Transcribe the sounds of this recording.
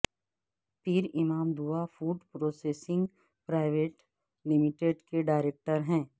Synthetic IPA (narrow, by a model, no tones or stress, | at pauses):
pʰiɾɪmaːmd̪uʋafuːɖpɾoːseːsɪ̃ŋɡ | pɾaːɪʋeːʈ | lɪmɪʈeːɖkeɖaːɪɾeːk̚ʈəɾɦɛ̃ː